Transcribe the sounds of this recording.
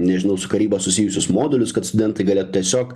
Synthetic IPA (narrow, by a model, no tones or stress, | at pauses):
nʲɛʒʲɪnɐʊsʊkɐɾʲiːbɐsʊsʲiːjʊsʲʊsmoːd̪ʲɛlʲʊskɐt̪st̪ʊd̪ʲɛnt̪ɐɪɡɐlʲeːt̪ʊt̪ʲiɛsʲoːk